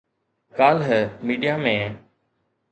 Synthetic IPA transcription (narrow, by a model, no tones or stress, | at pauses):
kaːlɦəmiːɖijaːmẽː